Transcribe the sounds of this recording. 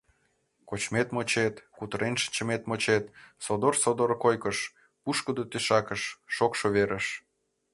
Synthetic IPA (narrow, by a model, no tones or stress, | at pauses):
kot͡ɕmet̪mot͡ɕet̪kut̪əɾenʃə̥nʲt͡ɕə̆met̪mot͡ɕet̪sod̪orsod̪oɾkojkəʃ | puʃkəd̪ot̪eʃɑkəʃːokʃoβeɾʔəʃ